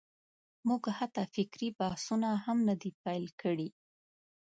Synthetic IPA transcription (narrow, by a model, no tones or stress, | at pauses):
muɡhat̪afɪkɾibahsunahamnad̪ipajlkʰəɽi